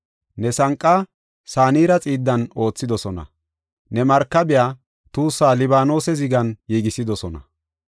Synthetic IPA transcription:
nɛsɐŋkʼːaː | saːniːɾɐt͡sʼiːd̪ːɐno̞ːt͡sːɪd̪ɔsɔnɐ̰ | nɛmɐɾkːɐbɪjaː | t̪uːsːaːlɪbaːno̞ːsɛzɪɡɐnjiːɡɪsɪd̪ɔsɔnɐ̰

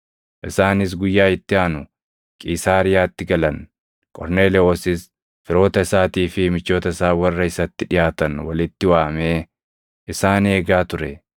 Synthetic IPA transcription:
ʔɪsaːnɪs̬ɡʊjːaːɪt̪ːɪaːnʊ | kʼiːsaːɾɪjaːt̪ːɪɡɐlɐn | kʼɔ̰ɾne̞ːlɛoːsɪs | fɪɾo̞ːt̪ɐɪsaːt̪iːfɪmɪt͡ʃːo̞ːt̪ɐɪsaːwɐrːɐɪsɐt̪ːɪᶑɪjaːt̪ɐnwɐlɪt̪ːɪwaːmeː | ʔɪsaːne̞ːɡaːt̪ʊɾɛ

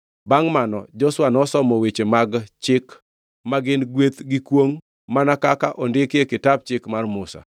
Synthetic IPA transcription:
baŋmanɔ̰d͡ʒɔswanɔsɔmɔwet͡ʃemaɡt͡ʃɪk | maɡɪnɡwet̪ɡɪkwoŋ | manakakaʔɔndɪkjekɪtap̚t͡ʃɪkmarmʊsa̰

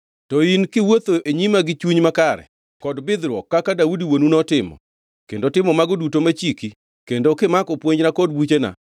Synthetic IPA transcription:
tɔinkɪwot̪oʔeɲimaɡɪt͡ʃuɲmakaɾɛ̰ | kɔdbɪd̪ɾwɔkːakadaudiwonunɔtɪmɔ̰ | kendoɔtɪmɔmaɡɔdutomat͡ʃiki | kendokɪmakɔpwoɲnakɔd̚but͡ʃena̰

